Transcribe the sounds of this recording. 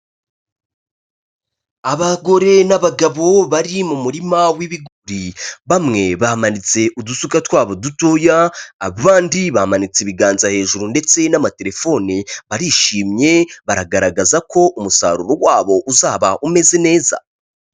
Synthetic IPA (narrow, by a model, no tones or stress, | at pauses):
aβaɡo̞ɾe̞naβaɡaβo̞βaɾimumuɾimawiβiɡuɾiβamŋe̞βahamanit͡se̞ʔudusukatwaːβo̞dutojaːββaːndiβahamanit͡siβiɡaːnzahe̞ːʒuɾunde̞t͡se̞namate̞ɾe̞fo̞niβaɾiʃiːmɲe̞βaɾaɡaɾaɡazako̞ʔumusa̰ːɾuɾowaːβo̞ʔuzaːβaʔume̞ze̞ne̞ːza̰